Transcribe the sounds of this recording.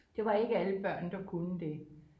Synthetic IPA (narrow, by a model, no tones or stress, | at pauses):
d̥e̝ʋɑ̈e̝ɡ̥əæləb̥ɶɐ̰nd̥ɑ̈kʰunəd̥e̝